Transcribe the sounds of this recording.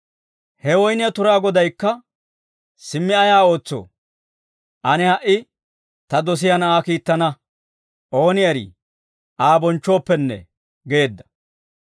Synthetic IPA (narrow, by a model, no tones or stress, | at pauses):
hɛwɔjnɪjɐt̪ʊɾaːɡɔd̪ɐjkːɐ | sɪmːɪɐjaːo̞ːt͡sːo̰ː | ʔɐnɪhɐʔɪ | t̪ɐd̪ɔs̬ɪjɐnɐaːkiːt̪ːɐnɐ | ʔo̞ːnɪɐɾḭː | ʔaːbɔnt͡ʃːo̞ːpːɛnːɛ̰ | ɡe̞ːd̪ːɐ̥